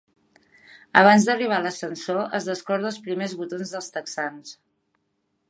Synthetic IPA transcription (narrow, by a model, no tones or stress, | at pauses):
əβ̞anzd̪əriβ̞aləsənsoəzðəskɔɾðəːlˠspɾimezβut̪onzðəlˠst̪əksans